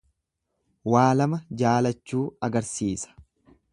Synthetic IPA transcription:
waːlɐmɐd͡ʒaːlɐt͡ʃːuːɐɡɐɾsiːsɐ̥

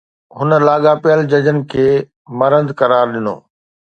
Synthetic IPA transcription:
ɦʊnə̆laːɠapɪjəld͡ʑɐd͡ʑənɪ̆kʰeː | mɐɾə̃nd̪kɐɾaːɾɗɪno̰ː

